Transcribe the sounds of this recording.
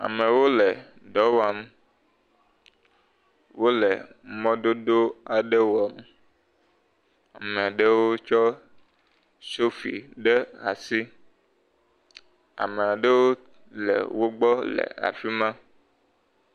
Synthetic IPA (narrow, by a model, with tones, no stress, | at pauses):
a̰˨mẽ˨wo˦le˨ | ɖɔ˨˦wa˨m˦ | wo˦lɛ˨mɔ̃˦do˦do˦a˨ɖe˦wo˨˦a˨m | a˨mẽ˨a˨ɖe˦wo˦t͡ʃɔ˦ | so˦fḭ˨ɖe˦a̰˨si˦ | a̰˨me˨a˨ɖe˦wo˦ | lɛ̰˨wo˦ɡ͡bɔ˦lḛ˨a̰˨fi˦mã˦